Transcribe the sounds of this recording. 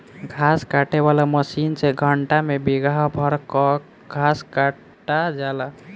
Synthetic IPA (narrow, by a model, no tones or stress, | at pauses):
ɡʱaskaʈebalaməsinsẽɡʱəɳʈamebiɡʱaɦbʱəɾkɔ | ɡʱaska | ʈad͡ʒala